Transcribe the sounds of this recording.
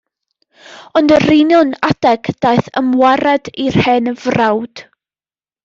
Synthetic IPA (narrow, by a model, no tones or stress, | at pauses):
ɔndərinjɔnad̥ɛɡ̥d̥aɨθə̰mwaɾadir̥hɛnəvrawd̥